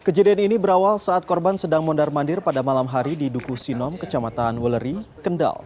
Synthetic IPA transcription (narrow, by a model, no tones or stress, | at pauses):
kəd͡ʒadianinibəɾawalsaːt̪̚kɔrbansədaŋmɔndarmandɪrpadamalamɦaɾididukusinɔmkət͡ʃamat̪anwələɾikənda̰l